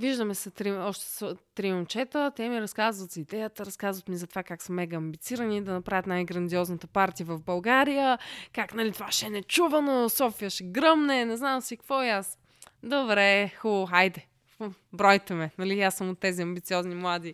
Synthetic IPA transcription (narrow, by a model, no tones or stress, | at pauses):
viʒd̪əmɛsɛt̪ɾiɔʃt̪ɛ̥sot̪ɾimomt͡ʃɛt̪ət̪ɛmiɾɐskazvət̪zid̪ɛjət̪əɾɐskazvət̪mizɐt̪ovakaksəmɛɡɐɐmbit̪siɾənid̪ɐnɐpɾavʲət̪najɡɾɐnd̪iɔznət̪əpaɾt̪iəvɐvbɐlˠɡaɾijəkaknɐlit̪ovaʃɛnɛt͡ʃuvɐnosɔfiəʃɛɡɾɤmnɛnɛznamsikvɔjas | d̪obɾɛxulˠoajd̪ɛ | bɾɔjt̪ɛmɛnɐlijasːəmot̪ːɛziɐmbit̪siɔznimlˠad̪i